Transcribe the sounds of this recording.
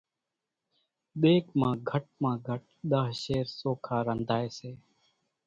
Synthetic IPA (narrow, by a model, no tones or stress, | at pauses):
ɗ̪eːkmãːɡʱəʈ̚mãːɡʱəʈ̚ | ɗ̪aːɦʃeːɾsoːkʰaːɾənd̪ʱaːeːseː